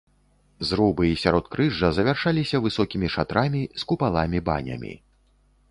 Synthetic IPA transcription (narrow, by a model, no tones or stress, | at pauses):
zɾubɨisʲaɾɔt̪̚kɾɨʐɐzɐvʲarʂalʲisʲɐvɨsɔkʲimʲiʂat̪ɾamʲiskupalˠamʲiba̰nʲɐ̰mʲḭ